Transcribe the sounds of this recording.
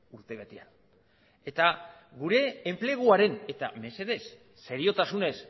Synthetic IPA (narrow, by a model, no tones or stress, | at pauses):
uɾt̪e̞βet̪ean | e̞t̪a | ɡuɾe̞ːmple̞ɣ̞uaɾe̞ne̞t̪a̰me̞se̞ð̞e̞sː | e̞ɾio̞t̪asune̞s